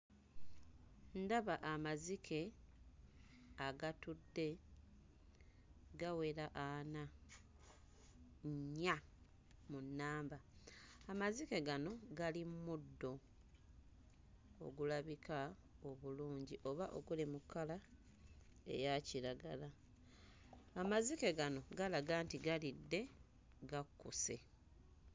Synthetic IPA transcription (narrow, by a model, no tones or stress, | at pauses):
ndaβaʔamazikʰe̞ | aɡatudːe̞ | ɡawe̞ɾaʔana | ɲːa | munːaːmbaamazike̞ɡano̞ɡalimmudːo̞ | o̰ɡulaβikʰa | oβuluːɲɟiʔo̞βaʔo̞̰ɡulimukːala | e̞̰jaciɾaɡala | amazike̞ɡano̞ɡalaɡaːntiɡalidːe̞ | ɡakːuse̞̰